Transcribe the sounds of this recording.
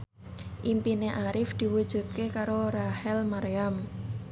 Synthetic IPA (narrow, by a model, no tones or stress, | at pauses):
ʔimpineʔaɾɪfd̪̥i̤wud̥ʒ̥ṳt̪̚kekaɾoɾahɛlmaɾam